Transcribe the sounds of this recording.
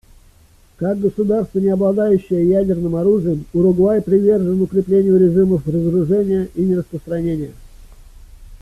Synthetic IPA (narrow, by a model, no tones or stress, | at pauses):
kaɡɡəsʊd̪arst̪vənʲɪɐblˠɐd̪ajʉɕːɪjəjædʲɪrnɨmɐɾuʐɨjəmʊɾʊɡlˠajpɾʲɪvʲe̞rʐɨnʊkɾʲɪplʲenʲɪjʊɾʲɪʐɨməfrəzəɾʊʐɛnʲɪjəʔinʲɪɾəspɾəst̪ɾɐnʲenʲɪjə